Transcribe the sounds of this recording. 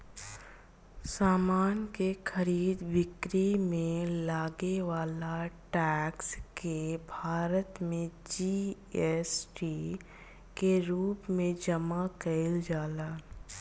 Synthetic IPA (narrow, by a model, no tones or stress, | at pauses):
saːmaːnkexəɾiːd̪ʋɪkɾimẽlaːɡeʋaːlaʈɛːkskebʱaːɾət̪mẽd͡ʒi | ɛsʈi | keɾuːpmẽd͡ʒəmakəɪld͡ʒaːlaː